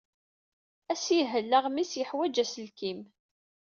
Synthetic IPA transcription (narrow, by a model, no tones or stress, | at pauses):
æsjiɦəlːəʁmisjəħwæd͡ʒæsəlkim